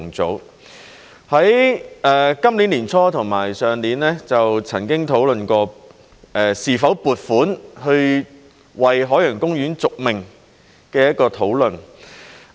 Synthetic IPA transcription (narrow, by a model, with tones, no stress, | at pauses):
ŋt͡so̰˨˥w | hɐ˨˥jʔɛː˨kɐ˥mliː˨˥nliː˨˩nt͡sʰɔː˥t̪ʰʊ˨˩ŋmaː˨˩jsœː˨ŋliː˨˥nlɛː˥t͡sɐ˨wt͡sʰɐ˨˩nkɪ˥ŋt̪ʰo˨˥wlɵ˨nkɔː˧ | ʔɛː˨˩siː˨˩fɐ˨˥wpuː˨˩t̚fuː˨˥nhɵ˧ɥ | wɐ˨jɦɔː˨˥jœː˨˩ŋkʊ˥ŋjyː˨˥nt͡sʊ˨k̚mɪ˨˩ŋ | kɛː˧jɐ˥t̚kɔː˧t̪ʰo˨˥wlɵ˨n